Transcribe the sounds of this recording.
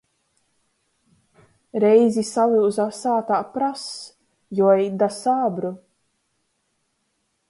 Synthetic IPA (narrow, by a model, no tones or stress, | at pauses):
ɾɛjzʲisalˠiwzasaːt̪aːpɾas | jɔɛjd̪asaːbɾu